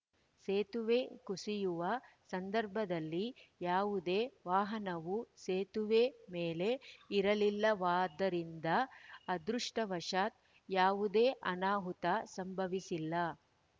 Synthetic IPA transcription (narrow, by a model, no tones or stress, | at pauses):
seːt̪uʋeːkusijuʋɐsɐnd̪ɐɾbʱɐd̪ɐlːijaːʋud̪eːʋaːɦɐnɐʋuseːt̪uʋeːmeːle̞iɾɐlilːɐʋaːd̪ɐɾind̪ɐːd̪ɾuʂʈɐʋɐʂaːt̪̚ | jaːʋud̪eːʔɐnaːɦut̪ɐsɐmbʱɐʋisilːɐ